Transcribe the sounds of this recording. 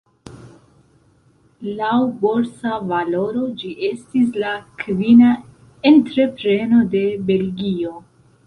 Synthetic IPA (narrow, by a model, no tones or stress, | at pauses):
lawbo̞lsavalo̞ɾo̞d͡ʒiʔe̞stislakvina | entɾe̞pɾe̞no̞de̞be̞lɡio̞